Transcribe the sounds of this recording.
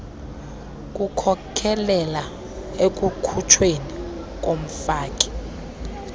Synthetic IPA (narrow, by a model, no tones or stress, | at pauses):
k̬ʼukʰɔkʰɛlɛla | ek̬ʼukʰut͡ʃʰweni | k̬ʼom̩faːk̬ʼi̥